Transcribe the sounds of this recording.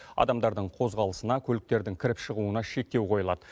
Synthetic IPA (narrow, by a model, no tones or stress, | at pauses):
ɑ̰d̪ɑmd̪ɑɾd̪əɴqʰo̞zʁɑlˠəsənɑkʲʰɵlɪk̚t̪e̞ɾd̪ɪŋkʲʰɪɾɪpʃəʁuənɑʃe̞k̚t̪e̞wqʰo̞jəlˠɑd̪ə